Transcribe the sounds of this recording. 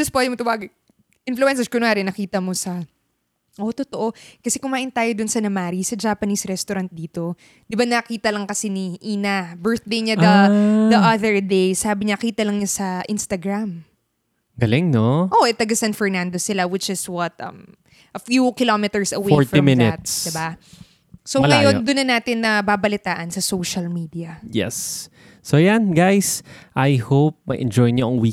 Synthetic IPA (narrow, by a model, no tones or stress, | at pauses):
d͡ʒɐspwɛd̪ɪmot̪ɐwaːɡɪ | ʔɪnfluɛns̬ɐd͡ʒkonʊŋaːɾɪnɐkiːt̪ɐmosɐ | ʔo̞t̪ot̪oʔo̞kɐsɛkʊmaːʔɪnt̪aːjod̪ʊnsɐnɐmaːɾisɐd͡ʒaːpɐnisɾɛst̪ʊɾɐnt̪̚d̪iːt̪o̞ | d̪ɪbanɐkiːt̪ɐlɐŋkɐsɛniʔiːnɐbɛɹθd̪ejɲad̪ɐd̪ɐʔɐðɛɹd̪ejsaːbɪɲɐkiːt̪ɐlɐŋɲasɐʔɪnst̪ɐɡɾam | ɡɐlɪŋnoʔoʔɛt̪ɐɡɐsɐnfɛɹnand̪osɪlawɪt͡ʃɪswɐt̪ɐ̰m | ʔɐfjukɪlomɪt̪ɛɹsɐweoɹftimɪnɪt̪sd̪ɪba | sowɐjod̪ʊnːɐnaːt̪ɪnːɐbaːbɐlɪt̪aːʔɐnsɐsowʃɐlmiːd̪iɐjɛ̰sː | ojanɡajsʔajhowp̚mɐjʔɛnd͡ʒɔjɲoʔɐŋwi